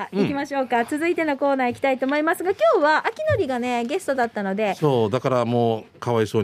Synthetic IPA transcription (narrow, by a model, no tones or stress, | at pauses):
ikʲimaɕo̞ːkat͡sɨzɨit̪e̞no̞ko̞ːnaːikʲi̥t̪ait̪o̞ːmo̞imasɨɡakʲoːβaːkʲino̞ɾʲiɡane̞ɡe̞sɨ̥t̪od̪at̪ːano̞d̪e̞soːd̪akaɾamo̞ːkaβaiso̞ː